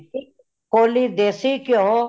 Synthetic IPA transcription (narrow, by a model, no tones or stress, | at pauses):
i | koːliːd̪eːsiːkjoɦoː